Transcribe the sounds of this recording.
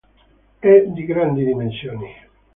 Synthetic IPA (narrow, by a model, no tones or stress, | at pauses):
ɛd̪iɡɾand̪id̪imensjoːni